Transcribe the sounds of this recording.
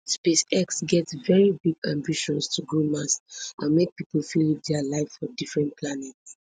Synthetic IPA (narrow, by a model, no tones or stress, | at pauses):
spesɛksɡɛtsvɛɹibiɡãmbiʃɔ̃nstʰuɡɹumasʔãnmek̚pipəlfilit̚dɛalaɪffɔdifɹɛ̃npʰlanɛts